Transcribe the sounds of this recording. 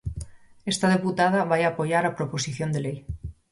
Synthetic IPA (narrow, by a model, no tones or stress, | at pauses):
est̪að̞eput̪að̞aβajapoʝaɾapɾopo̞siθjo̞nd̪elej